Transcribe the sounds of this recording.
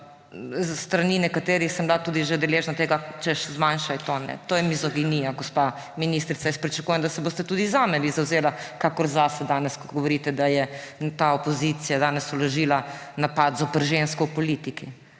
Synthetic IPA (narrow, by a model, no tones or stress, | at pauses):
st̪ɾaninɛkat̪eːɾixsəmblat̪uːd̪iʒed̪ɛleːʒnat̪eːɡat͡ʃɛʃzmanʃajt̪onɛ̰t̪oːjɛmizɔɡinijaɡospa | minist̪ɾit̪sajɛspɾit͡ʃɐkujɛmd̪ɐasɛboːst̪ɛt̪uːd̪izaːmɛʋizawzeːlakakɔɾzasɛd̪aːnɛskoɡɔʋɔɾiːt̪ɛd̪ajɛt̪aopozit̪sijad̪aːnɛsuloʒilanapat̪zɔpɛɾʒenskɔwpɔlit̪iki